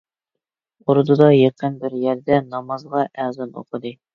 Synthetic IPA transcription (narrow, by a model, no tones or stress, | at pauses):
oɾd̪ud̪ɑjeqənbɪɾjɛɾd̪ɛnɑmɑzʁɑʔæzɑno̰qɤd̪ɨ